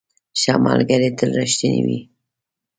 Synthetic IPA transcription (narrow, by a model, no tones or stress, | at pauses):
ʃamɑlɡaɾet̪əlɾaʃt̪inḭwi